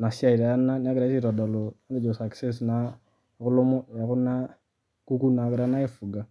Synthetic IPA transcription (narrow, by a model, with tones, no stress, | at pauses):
na˨si˦a˦˨i˨ɾa˨ja˦nːa˦n˦a˦ɡɾa˦si˦ɾa˨da˨lo˨a˦ŋɡe˦˨d͡ʒɔ˨sa˨ksɛ˦s̬na˨ | kʊ˦lɔ˦mɔ˦ja˨kʊ˦nːa˦ | ku˦ku˦na˨kɪ˨ɾa˦na˦e˦fu˨ɡa˨